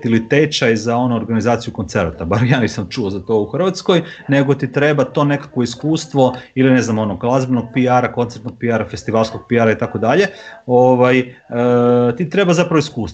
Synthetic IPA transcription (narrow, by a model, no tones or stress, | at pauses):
ilit̪et͡ʃajzao̞nuːɾɡanizaːt̪sijuko̞nt̪se̞ɾat̪abaɾjaːnisamt͡ʃuozat̪o̞uxrʋat̪sko̞jne̞ɡo̞t̪it̪ɾebat̪o̞ːne̞kḁkʋo̞iskuːst̪ʋo̞iline̞znamo̞noɡklˠazbnoɡ̚piaɾako̞nt̪seɾt̪noɡ̚piaɾafe̞st̪iʋaːlˠsko̞ɡ̥̚piaɾait̪ako̞d̪aʎe̞o̞ʋajət̪it̪ɾe̞bazapɾaʋoiskuːst̪